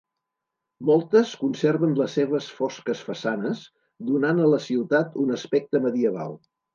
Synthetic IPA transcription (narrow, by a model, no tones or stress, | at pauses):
mɔlˠt̪əskunseɾβənləsːeβəsfɔskəsfəsanəz | d̪unanələsiwt̪at̪unəspɛk̚t̪əməðiəβa̰lˠ